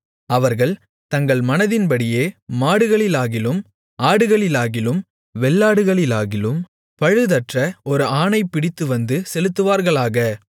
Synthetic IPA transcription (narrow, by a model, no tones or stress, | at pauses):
ɐʋɐɾɣɐɭ | t̪ɐŋɡɐɭmɐnɐðɪnpɐɽɪjeːmaːɽɯɣɐɭɪlaːɣɪlɯm | ʔaːɽɯɣɐɭɪlaːɣɪlɯm | ʋɛɭːaːɽɯɣɐɭɪlaːɣɪlɯm | pɐɻɯðɐʈrɐɔɾɯaːnɐɪpːɪɽɪt̪ːɯʋɐnd̪ɯsɛlɯt̪ːɯʋaːɾɣɐɭaːɣɐ